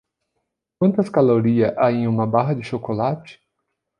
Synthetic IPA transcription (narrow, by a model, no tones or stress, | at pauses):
k̚wɐ̃nt̪ɐskaloɾiɐʔaẽjũmɐbaɦɐd͡ʒɪʃokolat͡ʃɪ̥